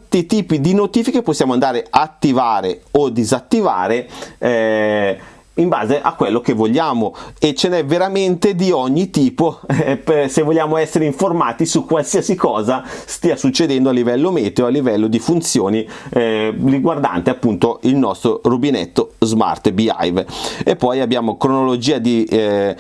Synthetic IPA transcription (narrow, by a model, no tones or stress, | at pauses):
t̪ːit̪iːpid̪inot̪iːfikepːosːjaːmoand̪aːɾeaːt̪ːivaːɾeod̪izat̪ːiva̰ːɾeɛ | iɱba̰ːzeʔa̰kːwelːok̟evːoʎːaːmoet͡ʃːenɛvːeɾament̪ed̪iɔɲːit̪iːpopsevːolʎːaːmoɛsːeɾeiɱformaːt̪isukːwalsiasikɔːzast̪iːasut͡ʃːed̪ɛnd̪oalːivɛlːomɛːt̪eoalːivɛlːod̪ifunt̪sjoːni | riɡward̪a̰nt̪eapːunt̪oilnɔst̪ɾorubinɛ̰t̪ːozma̰rt̪bia̰jvepːɔjabːjaːmokɾonolod͡ʒiːad̪i